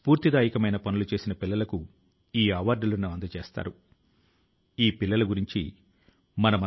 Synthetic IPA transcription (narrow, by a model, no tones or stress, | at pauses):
spuːɾt̪id̪aːjikɐmɐjnɐpɐnulut͡ʃe̞ːsinɐpilːɐlɐku | iːɐʋaːɾɖulɐnɐʋɐnd̪ɐt͡ʃeːst̪a̰ːɾu | iːpilːɐlɐɡuɾiɲt͡ʃi | mɐnɐmɐ